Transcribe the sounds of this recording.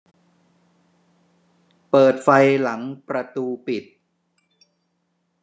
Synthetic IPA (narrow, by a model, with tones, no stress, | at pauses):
pɤː˨˩t̪̚fa˧jla˩˦ŋpɾa˧t̪uː˧pi˨˩t̪̚